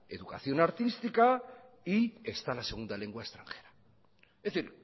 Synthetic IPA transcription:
eðuka̰θjo̞naɾt̪ist̪ika | iest̪alaseɣ̞und̪aleŋɡwaest̪ɾaŋxeɾa | θiɾ

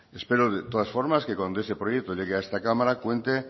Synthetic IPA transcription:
espe̞ɾoðet̪oð̞asfo̞ɾmaske̞kwand̪oest̪e̞pɾojek̚t̪oʎe̞ɣ̞eaest̪akamaɾakwe̞nt̪e

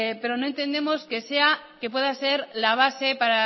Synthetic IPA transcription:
pe̞ɾo̞no̞e̞nt̪e̞nd̪e̞mo̞ske̞seake̞pwe̞ðase̞ɾlaβ̞ase̞paɾa

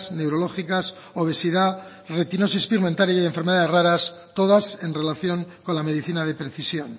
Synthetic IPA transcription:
sne̞wɾo̞lo̞xikas | oβ̞e̞siða | ret̪ino̞s̬ispiɣment̪aɾjaðeɱfeɾme̞ð̞aðeraɾas | t̪oðase̞nre̞laθjo̞ŋko̞nlame̞ðiθinað̞e̞pɾe̞θisjon

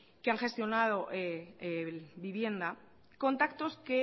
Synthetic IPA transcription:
keaŋxe̞st̪jo̞nað̞o̞ʔe | biβje̞nd̪a | ko̞nt̪akt̪o̞ske̞

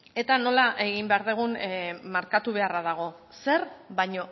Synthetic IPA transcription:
e̞t̪ano̞laʔe̞ɣimbe̞aɾðeɣ̞unmaɾkat̪uβ̞e̞araðaɣ̞o̞ | se̞ɾβajɲo̞

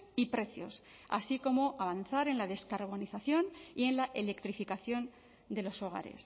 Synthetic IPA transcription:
ipɾe̞θjo̞̰s | a̰siko̞mo̞ʔaβ̞anθaɾe̞nlaðe̞skaɾβ̞o̞niθaθjo̞nie̞nlaʔe̞le̞kt̪ɾifikaθjo̞n | d̪e̞lo̞so̞ɣa̰ɾe̞̰s

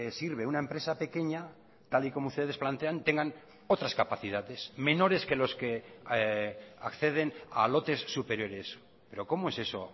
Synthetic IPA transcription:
esiɾβe̞unaempɾe̞sape̞ke̞ɲa | t̪aliko̞moust̪e̞ð̞e̞splant̪e̞ant̪e̞ŋɡan | o̞t̪ɾaskapaθið̞aðe̞sme̞no̞ɾe̞ske̞lo̞ske̞ | akθe̞ð̞e̞na̰lo̞t̪e̞sːupe̞ɾjo̞ɾe̞s | pe̞ɾo̞ko̞moe̞seso̞̰

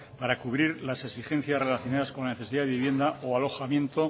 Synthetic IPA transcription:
paɾakuβɾiɾlaseksixe̞n̟θjasre̞laθjo̞naðasko̞nlaneθeiðaðβiβje̞nd̪aʔoalo̞xamjẽ̞nt̪o̞

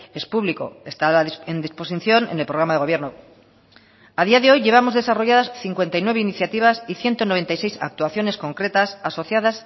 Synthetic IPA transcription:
e̞spuβliko̞̰e̞st̪alaend̪ispo̞siθjonḛne̞lpɾo̞ɣ̞ɾamaðeɣo̞β̞je̞ɾno̞ | aðiaðe̞o̞jʎe̞βamo̞zðe̞saro̞ʝaðasθiŋkwe̞nt̪ajnwe̞β̞einiθjat̪iβ̞asiθje̞nt̪o̞noe̞nt̪ajse̞jsa̰k̚t̪uaθjo̞ne̞sko̞ŋkɾe̞t̪asaso̞θjaðas

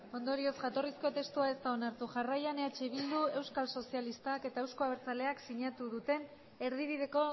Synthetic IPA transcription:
o̞nd̪o̞ɾio̞sʝat̪o̞risko̞t̪e̞st̪uae̞st̪ao̞naɾt̪uʝarajaneat͡ʃeiβ̞ild̪ue̞wskalso̞sialist̪ake̞t̪aewskoaβeɾt͡sale̞aksiɲat̪uðut̪e̞n | e̞ɾð̞iβiðe̞ko̞

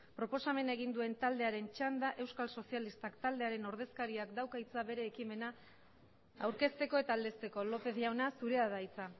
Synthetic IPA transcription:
pɾo̞po̞same̞naeɣ̞ind̪ue̞nt̪ald̪e̞aɾe̞nt͡ʃand̪aʔe̞wskalso̞sialist̪akt̪ald̪e̞aɾe̞no̞ɾð̞e̞skaɾiakd̪awkait͡saβe̞ɾe̞ːkime̞na | awɾke̞st̪e̞ko̞e̞t̪aːld̪e̞st̪e̞ko̞lo̞pe̞ðʝawnasuɾe̞aðait͡sa

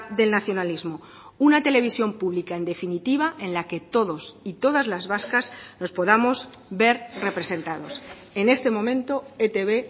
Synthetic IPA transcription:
ðe̞lnaθjo̞nalizmo̞ | unat̪e̞le̞β̞isjo̞mpuβlikae̞nd̪e̞finit̪iβaʔẽ̞nlake̞t̪o̞ðo̞sit̪o̞ðazlazβaskazno̞spo̞ðamo̞z | be̞ɾre̞pɾe̞se̞nt̪að̞o̞s | e̞ne̞st̪e̞mõ̞mẽ̞nt̪o̞et̪e̞βe̞

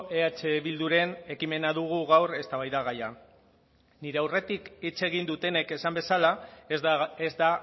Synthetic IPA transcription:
eat͡ʃe̞βild̪uɾe̞ne̞kime̞naðuɣ̞uɣawre̞st̪aβajðaɣaja | niɾe̞awre̞t̪ikit͡se̞ɣ̞ind̪ut̪e̞ne̞ke̞sambe̞sala | ezd̪a

